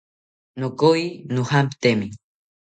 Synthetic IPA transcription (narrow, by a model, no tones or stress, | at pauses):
nokojnuhampt̪emi